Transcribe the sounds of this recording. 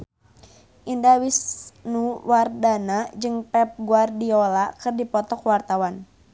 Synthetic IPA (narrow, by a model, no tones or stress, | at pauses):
ʔindawisnuwardanad͡ʒɨŋpɛp̚ɡuardiɔlakɨrdipɔt̪ɔkwart̪awan